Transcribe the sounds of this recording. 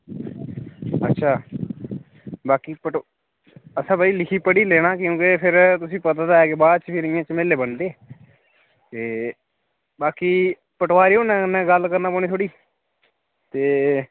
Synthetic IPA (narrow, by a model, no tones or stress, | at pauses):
ətːʃʰaː | baːkiːpəʈ | əsãːbaiːlɪkʰiːpəɽiːleːɽ̃aːkjõːkɪpʰɪɾt̪ʊsĩːpət̪aːd̪aːɛːkebaːd̪t͡ʃpʰɪɾɪjãːt͡ʃəmeːlːeːbənd̪eː | t̪eː | baːkiː | pəʈʋaːɾiːoːnɛ̃ːənːɛ̃ːɡəlkəɾnaːpoːñiːt̪ʰoːɽiː | t̪eː